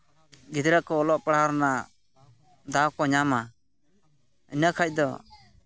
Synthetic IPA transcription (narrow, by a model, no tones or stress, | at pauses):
ɡid̪ɾəkɔːlɔʔpaɽaaɾna | d̪awkɔɲama | ənəkʰac̚d̪ɔ̰